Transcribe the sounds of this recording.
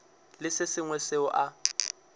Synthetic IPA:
lɪsɪsɪŋwɛsɪʊʔa

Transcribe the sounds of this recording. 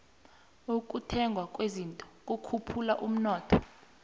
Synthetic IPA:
uk̬ʼutʰɛŋɡʱwak̬ʼwezintʼɔ̥k̬ʼukʰupʰulaʔum̩nɔːtʰɔ

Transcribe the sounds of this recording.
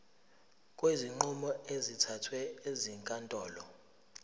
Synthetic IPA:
kʼweziŋ͡ǃumɔezitʰatʰwɛeziŋkʼantʼɔːlɔ

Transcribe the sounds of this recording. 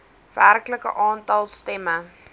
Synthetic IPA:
værkləkə̰ʔɑːntɐlˠstɛmə

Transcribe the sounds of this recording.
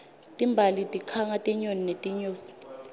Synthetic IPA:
tʼimbʱalitʼikʰaŋatʼiɲoninetʼiɲoːsi̥

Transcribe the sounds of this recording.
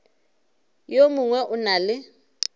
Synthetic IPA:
jomʊŋwɛʔʊnalɪ

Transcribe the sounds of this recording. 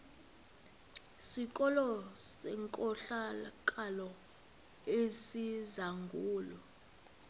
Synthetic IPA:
sik̬ʼɔlɔsɛŋkʼɔɬakʼalɔ | esizaŋɡʱuːlɔ

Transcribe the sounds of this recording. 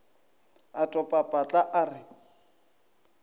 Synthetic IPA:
atʼɔpʼapʼat͡ɬʼaʔarɪ

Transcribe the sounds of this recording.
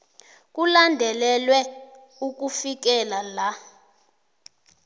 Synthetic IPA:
k̬ʼulandʱɛlɛlwɛ | uk̬ufik̬ɛlala

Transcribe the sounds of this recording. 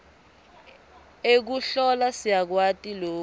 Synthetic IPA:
ek̬uɬɔlasijak̬watʼiloː

